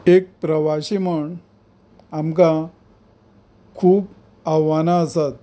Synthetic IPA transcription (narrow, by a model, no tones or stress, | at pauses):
ek̚pɾəʋaɕiməɳ | amka | kʰuːp | aʋanaəsat̪̚